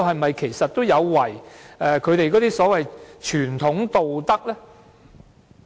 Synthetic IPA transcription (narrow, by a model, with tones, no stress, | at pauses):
hɐ˨jmɐ˨jkʰe˨˩jsɐ˨t̚t̪o˥wjɐ˨˧wwɐ˨˩jɛː˧kʰɵ˨˧ɥt̪e˨jkɔː˨˥t̪iː˥sɔː˨˥wɐ˨jt͡ʃʰyː˨˩nt̪ʰʊ˨˥ŋt̪o˨wt̪ɐ˥k̚lɛː˥